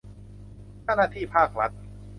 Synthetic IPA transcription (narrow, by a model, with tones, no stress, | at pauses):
t͡ɕa˥˩˨naː˥˩t̪ʰiː˥˩pʰaː˥˩k̚ɾa˦˥t̪̚